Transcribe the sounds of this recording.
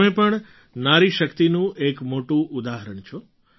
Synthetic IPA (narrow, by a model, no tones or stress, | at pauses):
mẽpəɳ | naɾiʃəkt̪inũʔekmoʈũʔʊd̪aɦəɾəɳt͡ʃʰo